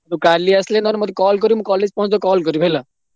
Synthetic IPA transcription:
t̪ukaliɐslenɔnmɔt̪ukɔːlkɔɾjumũkɔːleːd͡zpɔɦũnd̪okɔːlk̬ɔɾjubʱela

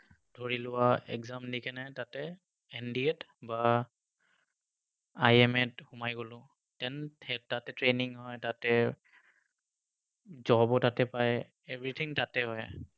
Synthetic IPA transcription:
dʱoɹilʊwaɛ̰kzamdikʰɛnɛtatɛ | ɛndiɛt | ba | ajɛmɛthʊmajɡolʊ̃ | tɛnʰɛtatɛtɹeniŋɦɔjtatɛ | zɔbɔtatɛpaj | ebɹit̪ʰiŋtatɛɦɔj

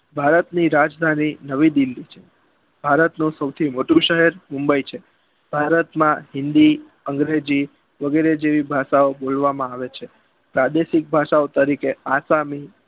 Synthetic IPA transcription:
bʱaɾət̪niɾad͡ʒd̪ʱaninəʋid̪ɪlːit͡ʃʰe̥ | b̥ʱaɾət̪nũsəwt̪ʰimoʈũʃəɦɛɾmumbəit͡ʃʰe | b̥ʱaɾət̪mãɦɪnd̪i | əŋɡɾed͡ʒi | ʋəɡeɾed͡ʒeʋibʱaʃaobolʋamãaʋet͡ʃʰe | pɾad̪eʃik̚bʱaʃaot̪əɾikeasami

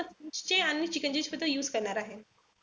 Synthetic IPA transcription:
ət͡ɕeanːit͡ɕikə̃ɲd͡ʑit͡ɕfət̪ːəjuːzkəɾɳaɾaɦe

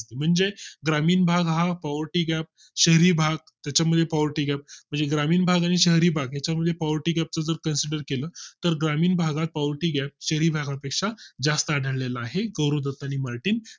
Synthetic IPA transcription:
st̪em̤əɳd͡zeɡɾamiːnbʱaɡɦapaʋəɾʈiːɡɛp̚ | ɕəɦɾiːbʱaɡ̚ | t̪jat͡ɕaməd̪ʱːjepaʋəɾʈiːɡɛp̚m̤əɳd͡zeɡɾamiːnbʱaɡaɽ̃iɕəɦɾiːbʱaɡjat͡ɕaməd̪ʱːjepaʋəɾʈiːɡɛp̚t͡səd͡zəɾkənsiɖəɾkelət̪əɾɡɾamiːnbʱaɡat̪̚paʋəɾʈiːɡæp̚ɕəɦɾiːbʱaɡapekʂad͡zast̪əːɽʱəɭlelaːɦeɡəwɾod͡z̪at̪əaɽ̃imaɾʈiːn

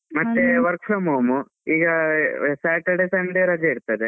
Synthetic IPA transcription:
mɐtːeʋɐɾkfomoːmu | iːɡɐsaːʈɐɖesɐɳɖeɾɐd͡ʒɐiɽut̪ːɐd̪e

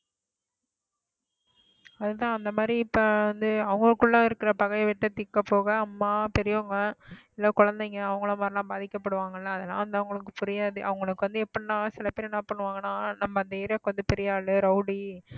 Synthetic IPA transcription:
ɐðɯt̪ãːɐnd̪ɐmaːd̪ɾipːɐɐnd̪ɯɐʋɐŋɡɐɭɯkːɯɭːãːɪɾɯkːɪɾɐpɐɣɐɪʋɪʈːɐt̪ːɪkːɐpːoːɣɐːmːaːpɛɾɪjɐŋɡɐɪlːɐkʊɻɐnd̪ɛŋɡɐːʋɐŋɡɐɭɐmaːɾɪlãːbaːðɪkːɐpːɐɽɯʋaːŋɡɐɪlːɐːðɐlã̰ːʋɐnd̪ɐʋɐŋɡɐɭɯkːɯ̥pʊɾɪjaːðɯʔɐ̰ʋɐŋɡɐɭɯkːɯʋɐnd̪ɯɛpːɐɽnãːsɪlɐpeːɾɛnːɐpɐɳːɯʋaːŋɡɐnãːnɐmːɐɐnd̪ɐɪɾjɐkːɐʋɐnd̪ɯpɛɾɪjaːɭɯɾɐʊɽi

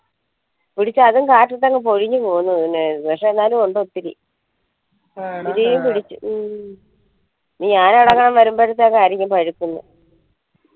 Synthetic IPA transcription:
piɽit͡ɕːɨɐðuŋkaːʈːɐt̪ːɐŋːep̬o̞ɻiɲːɨpoːɣunːuɐinːenpɐkʂe̞ːnːaːlumoɳɖot̪ːiɾḭ | iɾijumpiɽit͡ɕːu | niɲaːnɐɽɐŋːɐɳɐmʋɐɾumboɾut̪ːekaːɾjɐŋʲːumpɐɻikːunːɨ̰

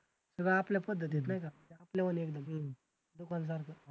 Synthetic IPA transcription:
səɡɭaapljapəd̪ʱːət̪it̪najkaiapljaʋənekd̪əm | d̪okans̬aɾkə

